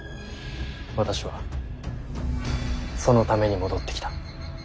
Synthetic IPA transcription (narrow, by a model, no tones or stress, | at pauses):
βat̪aɕiβa | so̞no̞t̪ame̞ɲ̟imo̞d̪o̞t̪ːe̞kʲt̪ḁ